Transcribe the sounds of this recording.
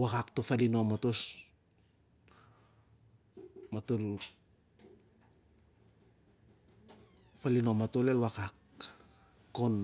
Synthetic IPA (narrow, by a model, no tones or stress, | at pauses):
wakaktofalinomatos | matul | falinomatolelwakakː | on